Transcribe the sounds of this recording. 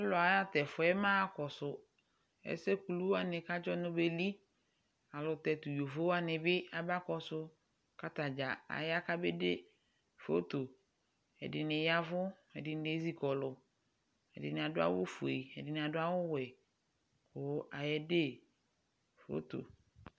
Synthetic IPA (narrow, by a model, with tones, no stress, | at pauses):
ɛ˦lɔ˨a˨ja˦tɛ˨fʊ˨ɛ˦mãː˦kɔ˨sʊ˨ | ɛ̰˦se˦ku˨lu˦wa˦nɪ̃˨ka˦d͡ʒɔ˦nʊ̃˦be˦li˦ | a˨lʊ˨t̪ɛ˨tʊ˨jo˨vo˦wa˦nɪ̃˨bɪ˦a˨ba˦kɔ˨sʊ˦ | ka˦t̪a˨d͡ʒa˨a̰˨ja˦ka˦be˦de˦ | fo̰˦to˨ | ɛ̰˨dɪ˨nɪ˨ja˦vʊ˦ | ɛ˨dɪ˨n˨˦ɪ˦zi˦kɔ˨lʊ˨ | ɛ̰˨dɪ˨nɪ˨a˨dʊ˦a̰˦wʊ̰˦fu˨e˨ɛ̰˨dɪ˨nɪ˨a˨dʊ˦a˦wʊ˦wɛ˨ | kʊ˨˦a˨jɛ˦de˦˨ | fo̰˦t̪o̰˨